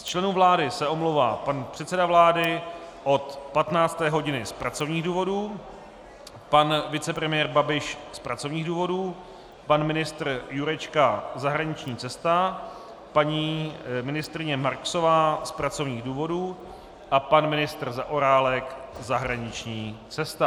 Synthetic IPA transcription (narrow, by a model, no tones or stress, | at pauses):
st͡ʃlɛnuːvlaːdɪsɛʔo̞mlowva̰ːpanpr̝̥ɛt̪t͡sɛdavlaːdɪʔo̞t̪pat̪naːt͡st̪ɛːɦo̞ɟɪnɪspɾat͡so̞vɲiːɣduːvo̞duː | panvɪt͡sɛpɾɛmɪjɛːɾbabɪʃspɾat͡so̞vɲiːɣduːvo̞duː | panmɪnɪst̪r̩juɾɛt͡ʃkazaɦɾaɲɪt͡ʃɲiːt͡sɛst̪a | paɲiːmɪnɪst̪ɾɪɲɛmaɾkso̞vaːspɾat͡so̞vɲiːɣduːvo̞duː | ʔapanmɪnɪst̪r̩zaʔoɾaːlɛkzaɦɾaɲɪt͡ʃɲiːt͡sɛst̪a